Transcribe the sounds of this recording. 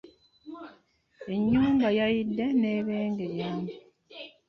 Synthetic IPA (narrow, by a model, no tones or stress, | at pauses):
e̞ɲːuːmbajajidːe̞ne̞ːβeːŋɡe̞jaːmi